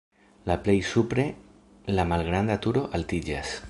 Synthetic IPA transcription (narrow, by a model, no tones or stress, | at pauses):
laplejsupɾe | lamalɣɾand̪at̪uɾoʔalt̪id͡ʒas